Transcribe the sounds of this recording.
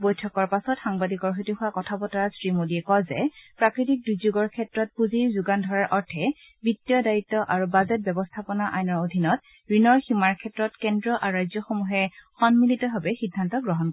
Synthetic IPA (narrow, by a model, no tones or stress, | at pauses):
bojtʰɔkɔɹpasɔtxaŋbadikɔɹɦotihʊwakɔtʰabɔtaɹasɹimodiɛkɔjzɛ̰pɹakɹitik̚dujzuɡɔɹkʰɛtɹɔt̚puziɹzuɡandʱɔɹaɹʔɔɹtʰɛ | bitːijɔdaitːɔʔaɹubazɛt̚bɛbɔstʰapɔnaʔa̰jnɔɹodʱinɔt | ɹinɔɹximaɹkʰɛtɹɔtkɛndɹɔʔaɹuɹajzjɔxomuɦɛxɔnmilitɔbʱabɛxidʱːantɔɡɹɔɦɔnk